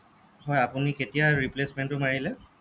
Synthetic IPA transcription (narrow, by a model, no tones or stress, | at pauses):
hɔjapʊniketijaɹiplesmɛntʊmaɹilɛ